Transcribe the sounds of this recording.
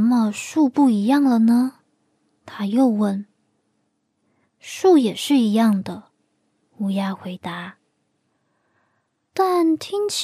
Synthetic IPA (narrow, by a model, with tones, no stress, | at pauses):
mə˧ʂu˥˧pu˥˩i˧˥jɑ˥˩ŋlə˩nə˩ | t̪ʰa˥jo˥˧ʊwə˥˩n | ʂu˥˩jɛ˨˩ʂɻ̩˥˩i˧˥jɑ˥˩ŋd̪ə˩ | u˧˥ja˥xwe˧˥ɪt̪a˧˥˦ | t̪a˥˩nt̪ʰi˥ŋt͡ɕʰ